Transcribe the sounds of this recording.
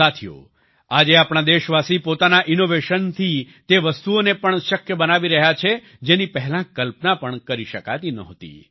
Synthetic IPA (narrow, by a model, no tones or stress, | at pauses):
at̪ʰijo̰ | ad͡ʒeapɳad̪eʃʋasipot̪anaʔinoʋeʃənt̪ʰi | t̪eʋəst̪uonepəɳʃəkjəbənaʋiɾəɦjat͡ʃʰe | d͡ʒenipəɦlãkəlpnapəɳkəɾiʃəka̰t̪inəɦt̪ḭ